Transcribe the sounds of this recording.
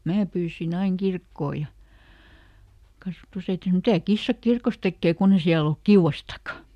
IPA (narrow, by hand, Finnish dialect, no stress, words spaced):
mæː pyːsin ɑiŋ kirkːoː jɑ kɑsʋɑ̆tusæiti sɑ̆no mitæ kisːɑ kirkos tekːeː kunː e siæl olk kiuw̆ɑstɑkˑɑ